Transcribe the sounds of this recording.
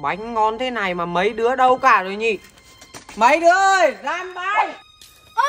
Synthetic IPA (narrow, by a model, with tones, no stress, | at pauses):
ɓa˨˦jŋ̟ŋɔ˧nt̪ʰe˨˦na˨˩jmaː˨˩mə˨˦jɗɨ˨˦əɗə˧wkaː˧˩zo˨˩jɲi˧˩˨ | mə˨˦jɗɨ˨˦əʔə˧˩jzaː˧mɓa˧j